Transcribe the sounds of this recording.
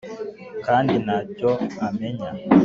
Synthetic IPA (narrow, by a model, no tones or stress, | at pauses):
kandinat͡ʃɔamɛɲa